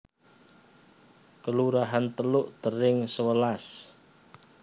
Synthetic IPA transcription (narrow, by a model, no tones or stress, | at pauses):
kəluɾaɦant̪əlʊʔd̪̥əɾɪŋsəwəlas